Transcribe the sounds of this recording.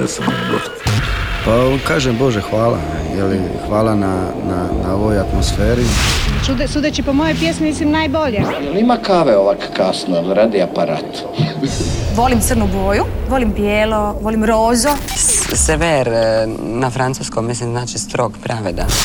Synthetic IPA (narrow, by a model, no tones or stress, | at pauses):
ḛsamɡo̰ | pakaːʒembo̞ʒexʋaːla̰ | jeli | xʋaːlˠana | nanaoʋojat̪mosfeːɾit͡ʃud̪esud̪et͡ʃipomojojpjesmimislimnaːjboʎejelimakaʋeoʋakkasnolɾad̪iapaɾa̰ːt̪ | misʋo̞limt̪srnuɡoːjuʋolimbjeːloʋo̞limɾoːzoseʋeɾnafɾant̪suskommislimznaːt͡ʃist̪ɾo̞ɡpɾaʋed̪a̰